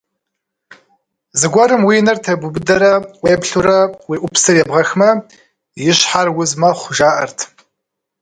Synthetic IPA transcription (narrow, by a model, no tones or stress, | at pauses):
zɨɡʷɔɾɨmwiːnɐrtʰɐbʷubɨdɐɾɐweːpɬuɾɐwiːʔʷʊpsɨrjɛbʁɐxmɐ | jɪɕħarwʊzmɐχʷʊʒaːʔɐrtʰ